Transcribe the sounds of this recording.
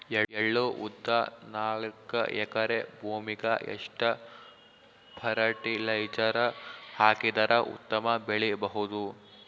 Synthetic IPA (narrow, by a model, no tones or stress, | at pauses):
eeɭːuʔud̪ːɐnaːɭkɐ̰ʔɛkɐɾebʱuːmiɡɐḛʂʈɐ | pʰɐɾɐʈilɐjd͡ʒɐɾɐhaːkid̪ɐɾɐʔṵt̪ːɐmɐbeɭibɐɦud̪u